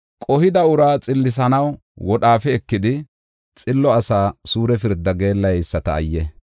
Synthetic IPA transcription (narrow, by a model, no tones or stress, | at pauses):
kʼɔhɪd̪ɐʊɾaːt͡sʼɪlːɪs̬ɐnɐw | wɔɗaːfɛːkːɪd̪ɪ | t͡sʼɪlːɔɐsaːsuːɾɛfɪɾd̪ːɐɡe̞ːlːɐjɪsːɐt̪ɐ̰ːjːɛ